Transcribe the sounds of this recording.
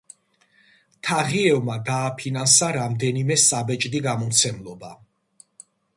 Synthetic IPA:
t̪ʰaʁiɛvmad̪aːpʰinansaɾamd̪ɛnimɛsabɛt͡ʃʼd̪iɡamɔmt̪sʰɛmlˠɔba

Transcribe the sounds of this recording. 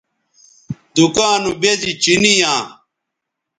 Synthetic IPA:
d̪ukaːnubezit͡ɕinijãː

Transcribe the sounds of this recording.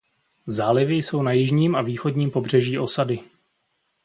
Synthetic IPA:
zaːlɪvɪjso̞wnajɪʒɲiːmaviːxo̞dɲiːmpo̞br̝ɛʒiːʔo̞sadɪ

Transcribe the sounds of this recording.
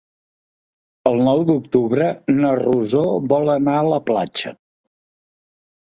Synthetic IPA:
əlˠnɔwd̪uk̚t̪uβɾənəruzoβɔlˠənaələpla̰d͡ʒə̰

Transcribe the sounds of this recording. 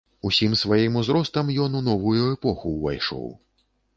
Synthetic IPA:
usʲimsvajimuzɾɔst̪ɐmjɔnunɔvujuɛpɔxuːva̰jʂɔ̰w

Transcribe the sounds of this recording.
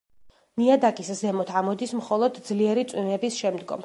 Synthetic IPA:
niad̪akʼiszɛmɔt̪ʰamɔd̪ismχɔlˠɔd̪zliɛɾit̪sʼwinɛbisʃɛmd̪ɡɔ̰m

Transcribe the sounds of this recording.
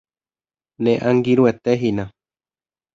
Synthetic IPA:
nẽʔãŋɡiɾuet̪eɦinã

